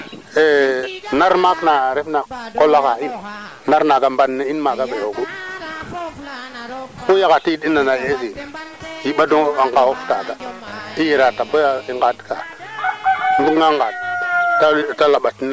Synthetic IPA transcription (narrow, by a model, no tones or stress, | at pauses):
enaɾmaknaɾefnakolːakain | naɾnaɡambanːeinmaɡabejoɡu | kujaɣatiidinanajezijiɓadoaŋɡawoftaɡaijeɾatabaaiŋɡadka̰ | nduaŋɡad̚tatalaɓatina